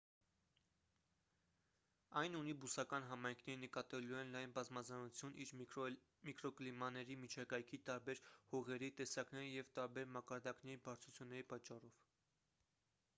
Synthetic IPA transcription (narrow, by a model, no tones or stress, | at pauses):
ɑjnunibusɑkɑn̪ɦɑmɑjŋkʰnɛɾənəkɑt̪ɛluɛnlɑjnbɑzmɑzɑnut͡sʰjunʔiɾ | mikɾɔklimɑnɛɾimit͡ʃʰɑkɑjkʰit̪ɑɾbɛɾhɔʁɛɾit̪ɛsɑknɛɾəjɛvt̪ɑɾbɛɾmɑkɑɾd̪ɑknɛɾibɑɾt͡sʰut͡sʰjunːɛɾipɑt͡ʃːɑrɔv̥